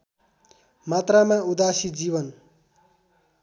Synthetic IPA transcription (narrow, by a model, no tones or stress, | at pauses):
mat̪ramaud̪asid͡zibʌn